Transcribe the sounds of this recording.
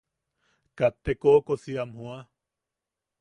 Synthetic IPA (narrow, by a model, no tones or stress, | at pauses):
kat̪ːekoːkosiamhũa